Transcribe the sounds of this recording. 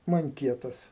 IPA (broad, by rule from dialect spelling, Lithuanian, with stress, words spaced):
mɐŋʲˈkʲiɛtɐs